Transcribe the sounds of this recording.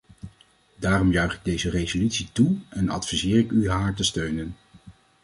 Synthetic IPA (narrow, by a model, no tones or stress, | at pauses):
daːrɔmjœɥχɪɡ̚dejzərejzolytsituɛnɑ̰tfizɪːrɪkyɦaːɹtəstøɥnən